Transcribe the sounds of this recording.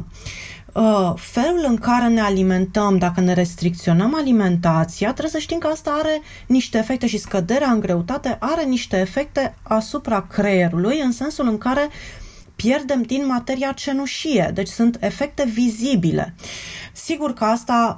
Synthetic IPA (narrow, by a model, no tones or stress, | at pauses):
fe̞lulɨŋkaɾe̞ne̞alime̞nt̪əmd̪akəne̞ɾe̞st̪ɾik̚t̪sio̞nəmalime̞nt̪at̪siat̪ɾebsəʃt̪imkəast̪aaɾe̞ | niʃt̪eːfe̞k̚t̪e̞ʃiskəd̪e̞ɾeaɨŋɡɾe̞ut̪at̪e̞ʔaɾe̞niʃt̪e̞ːfe̞k̚t̪e̞asupɾakɾeɾulujɨnse̞nsulɨŋkaɾe̞ | pje̞rd̪e̞md̪inmat̪e̞ɾiat͡ʃe̞nuʃije̞̰d̪e̞t͡ʃʲsunt̪e̞fe̞k̚t̪e̞vizibilḛsiɡurkəast̪a